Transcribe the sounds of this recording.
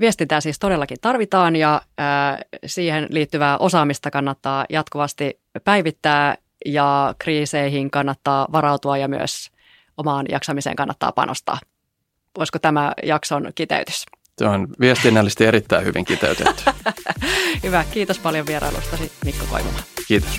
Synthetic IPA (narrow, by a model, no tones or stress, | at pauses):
ʋiest̪int̪æːsiːst̪o̞delːɑkint̪ɑrʋit̪ɑːnjɑ | siːhenliːt̪ːyʋæːʔo̞sɑːmist̪ɑkɑnːɑt̪ːɑːjɑt̪kuʋɑst̪i | pæiʋit̪ːæː | jɑkriːseiɦiŋkɑnːɑt̪ːɑːʋɑɾɑwt̪uɑjɑmyø̰s | omɑːnjɑ̰ksɑmisḛːŋkɑnːɑ̰t̪ːɑ̰ːpɑ̰nʔo̰st̪ɑ̰ː | oiskot̪æmæjɑksonkit̪ḛyt̪y̥st̪øonʋiest̪inːælːist̪ieɾit̪ːæihyʋḭŋkit̪ḛyt̪ḛ̥ | hyʋækiːt̪ospɑljoʋieɾɑ̰jlṵst̪ɑsimikːoko̰jʋo̰mɑkiːt̪o̥s